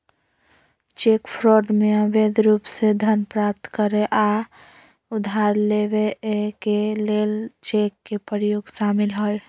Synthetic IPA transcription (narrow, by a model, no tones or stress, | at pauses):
t͡ʃekpʰɾoɖmeəbed̪ɾupsed̪ʱənpɾap̚t̪kəɾeʔa | ʊd̪ʱaɾleʋekelelt͡ʃekːepəɾjoɡʃaːmilɦoj